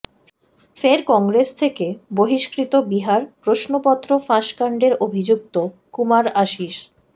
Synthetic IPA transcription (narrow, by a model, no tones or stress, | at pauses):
feɾkɔŋɡɾest̪ʰekeboɦiʃkɾit̪obiɦaɾpɾoʃnopɔt̪ːɾofãʃkaɳɖeɾobʱid͡ʑuk̚t̪okumaɾaʃiʃ